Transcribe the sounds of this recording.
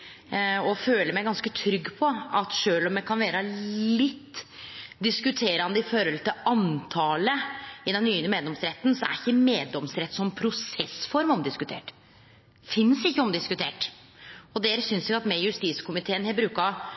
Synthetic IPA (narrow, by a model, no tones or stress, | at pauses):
ɔføːləɾmæɪɡɑnskət̪ʰɾʏɡːpʰɔɑt̪ʂøːlɔmjækʰɑnʋeːɾɑllɪt̪ːd̪ɪskʉt̪ʰeːɾɑnd̪əɪfɔɾɔlt̪ʰɪɑnt̪ʰɑːləɪd̪ɛnːyːnmeːd̪lɔmsɾɛt̪ːn̩sɔæ̰ɾɪçːəmeːd̪lɔmsɾɛt̪ːsɔmpʰɾʊsɛsfɔɾmɔmd̪ɪskʉt̪ʰḛːʈ | fɪnsɪçːəɔmd̪ɪskʉt̪ʰeːʈ | ɔd̪eːɾəsʏnsɛɡɑt̪mɛjʉst̪iːskʰʊmɪt̪ʰeːənhɛbɾʉːkɑ